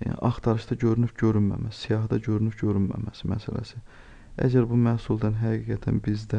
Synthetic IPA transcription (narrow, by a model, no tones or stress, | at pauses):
ɑxt̪ʰɑɾɯʃd̪ɑɟø̞ɾynypɟø̞ɾynmæ̰mæssijɑɦd̪ɑɟø̞ɾynypɟø̞ɾynmæ̰mæsimæsælæ̰si | æ̰d͡ʒæɾbumæhsulˠd̪ænɦæɡiːɡæt̪ʰænbizd̪æ